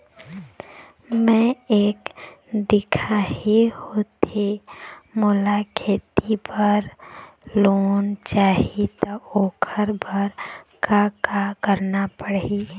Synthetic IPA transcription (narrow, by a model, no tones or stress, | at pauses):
mɛ̃eːkd̪ɪkʰaːɦihoːt̪emolakʰeːt̪ipəɾ | loːnt͡ʃaːɦit̪aoːkʰəɾbʱəɾkakakəɾnapəɽiː